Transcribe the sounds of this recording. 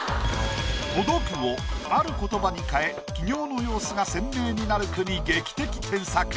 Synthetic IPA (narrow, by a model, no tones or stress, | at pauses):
ho̞d̪o̞kɯ̟oaɾɯ̟ko̞t̪o̞baɲ̟ikae̞ | kʲiɲʲo̞ːno̞jo̞ːsɨɡasẽ̞mːe̞ːɲ̟inaɾɯ̟kɯ̟ɲ̟iɡe̞kʲi̥t̪e̞kʲi̥t̪ẽ̞ɰ̃sakɯ̟̥